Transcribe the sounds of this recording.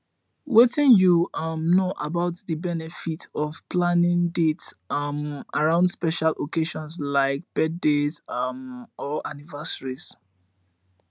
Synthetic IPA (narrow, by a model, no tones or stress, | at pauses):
wetĩnjuʌmnoʔabaʊtðəbɛnɛfitʰɔv̥plãnɪ̃ŋdetsʌmaɹãʊ̃ndspɛʃalʔokeʃɔ̃nslaɪk̚b̥ɛddezmɔʔanivasəɹiz̥